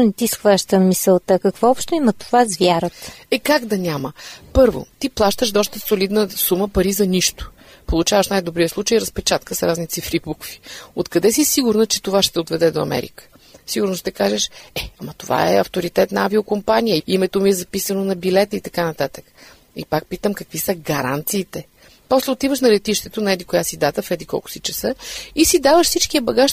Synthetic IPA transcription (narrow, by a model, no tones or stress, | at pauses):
nɛt̪isxvaʃt̪əmisəlˠt̪əkɐkvɔɔpʃt̪oimɐt̪o̥vazvʲjaɾət̪ɛkaɡd̪ɐnʲaməpɤɾvo̰t̪iplˠaʃt̪əʃd̪ɔst̪əsolid̪nəsuməpɐɾizɐniʃt̪ʊ̥ | polˠut͡ʃavəʃnajd̪obɾiəslˠut͡ʃəjiɾəspɛt͡ʃat̪̚kəsɾaznit̪sifɾibukvi̥ot̪kɐd̪ɛsisiɡʊɾnət͡ʃɛ̥t̪ovaʃt̪ɛod̪vɛd̪ɛd̪oɐ̰mɛ̰ɾḭkə̥ | siɡʊɾnost̪ɛkaʒɛʃɛɐmɐt̪ova̰ɛ̰ɐ̰ft̪oɾit̪ɛt̪nɐaviokompanijəimɛt̪omiɛzɐpisənonɐbilɛt̪əit̪ɐkanɐt̪at̪ə̥k | ḭpak̚pit̪əmkɐkvisəɡɐɾa̰nt̪siːt̪ɛ | pɔslɛot̪ivəʃnɐlɛt̪iʃt̪ɛt̪onɐɛd̪ikojasid̪at̪əfɾɛd̪ikɔ̰lˠkʊ̥sit͡ʃɛsɤisid̪avəʃsit͡ʃkiɐbɐɡaʃ